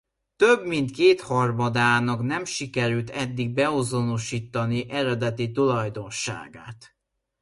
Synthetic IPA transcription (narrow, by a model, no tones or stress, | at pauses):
t̪øbmint̪keːt̪hɒrmɒd̪aːnɒknɛmʃikɛɾylt̪ʰɛd̪ːiɡ̚bɛo̞zo̞no̞ʃiːt̪ːɒniʔɛɾɛd̪ɛt̪it̪ulɒjd̪o̞nʃa̰ːɡa̰ːt̪